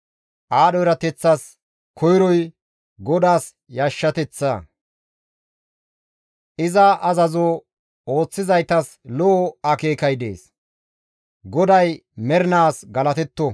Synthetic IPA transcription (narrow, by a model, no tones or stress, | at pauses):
ʔaːɗɔjɾɐt̪ɛt͡sːɐs | kʰɔjɾɔj | ɡɔd̪aːs | jaːʃːɐt̪ɛt͡sːa̰ | ʔɪzɐʔɐzɐzo | o̞ːt͡sːɪzɐjt̪ɐs | lɔʔɐke̞ːkɐjd̪e̞̰ːs | ɡɔd̪ɐjmɛɾnaːsɡɐlɐt̪ɛt̪ːɔ